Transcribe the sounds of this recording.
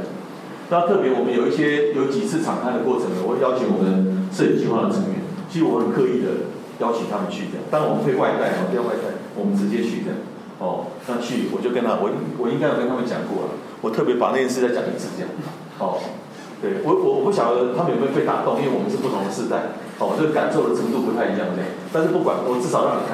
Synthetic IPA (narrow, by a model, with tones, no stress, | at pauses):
na˥˧t̪ʰɤ˥˩pjɛ˧˥wɔ˨˩mə˨˦njo˨˩ʊi˥˩ɕjɛ˦jo˧˦ʊt͡ɕi˨˩t͡sʰɹ̩˥˩ʈ͡ʂʰɑ˨ŋkʰa˥˩ndə˩kwɔ˥˩ʈ͡ʂʰə˧˦ŋlə˨˩wɔ˨˩˦jɑ˥ʊt͡ɕʰo˧˥ŋwɔ˨˩mənt͡s̩˥˩i˨˩t͡ɕʰi˧˥xwa˥˩nd̪ə˨˩ə˧˥ŋɥɛ̰˧˦nt͡ɕʰi˧˥ɻ̩˧˩wɔ˧˥˩xə˨˩nkʰɤ˥˧i˥˩d̪ə̰˩ | jɑ˥ʊt͡ɕʰi˨˥ŋt̪ʰa˥mə˨nt͡ɕʰy˥˩t͡ɕɤ˥j̰ŋt̪a˥ŋwɔ˨˩mə˨˦kʰe˥ɪwa˥˧ɪt̪a˥˩ɪno˨p̪ʰu˥˧jŋwa˥˧ɪt̪ʰa̰˥˩ɪwɔ˨˩mə˦nt͡sɻ̩˧t͡ɕjɛ˥˦t͡ɕʰy̰˥˩d̪ə̰˨˩ | hɔ˥˩na˥˧t͡ɕʰy˥˩wɔ˨˩t͡ɕjo˥˩ʊkə˥nt̪ʰa˥wɔ˨˩i˥ŋwɔ˨˩i˥ŋka˥ɪjkə˥˧t̪ʰa˥mə˨nt͡ɕjɑ̰˨˩ŋkwɔ̰˥˩lə̰˩ | wɔ˨˩t̪ʰɤ˥˩p̬jɛ˧˥pa̰˨˩na˥˩jɛ˥˧ns̬ɻ̩˥˧t̪a˥ɪt͡ɕja˨˩ŋnə̰˨˧˩t͡sʰɹ̩˥˧˩j̰ŋ | ɔ˥˨˩ | t̪we˥˩ɪwɔ˨˦wɔ˨wɔ˨˩pu˥˩ɕjɑ˨˩ŋdə˦t̪ʰa˥mə˨njfwe˥˧ɪt̪a̰˥˨˩t̪o˥˧ŋi˥we˥˩wɔ˨˩mə˦˥ʂɻ̩˥˧p̬u˥˩t̪ʰŋd̪ə˨ʂɻ̩˥˧t̪a˥˩ɪ | hɔ˨˩wɔ˨˩t͡ɕjo˥˩ɡə˧˩ka˨˩nso˥˩ʊd̪ə˩t͡sʰə˧˥ŋt̪̬u˥˩pt̪ʰa˥˩ɪi˧˦jɑ˥˩ŋə˩˥ja˥˨˩t̪a˥˧nʂɻ̩˥˧pu˥˩kwa̰˨˦nwɔ˨˩t͡sɻ̩˥˩sɑ˨˩ʊɻɑ˥˧ŋni˨˩˥